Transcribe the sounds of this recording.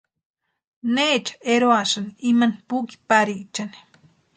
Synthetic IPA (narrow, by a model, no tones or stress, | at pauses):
neːt͡ʃḁeɾoaʃaniimanipuki̥paɾit͡ʃani̥